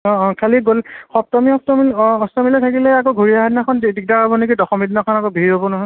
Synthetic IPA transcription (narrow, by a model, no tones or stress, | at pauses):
ɔ̃kʰaliɡolxɔp̚tɔmiɔtɔmilɔstɔmilɛtʰakilɛakoɡʱoɹiaɦadinakʰɔndik̚dakabɔnekidɔxɔmidinakʰɔnakɔbʱiɹobɔnɔɦɔ